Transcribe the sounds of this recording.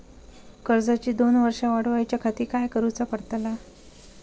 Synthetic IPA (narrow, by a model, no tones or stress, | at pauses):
kəɾd͡zat͡ɕiːd̪onʋəɾʂaʋaɽʋajt͡ɕjakʰat̪iːkajkəɾut͡sapəɽt̪ala